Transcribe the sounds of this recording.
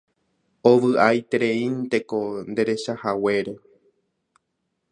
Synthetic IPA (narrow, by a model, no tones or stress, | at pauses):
oʋɨʔajt̪eɾe̞ĩnt̪e̞ko̞nd̪e̞ɾe̞ʃahawe̞ɾe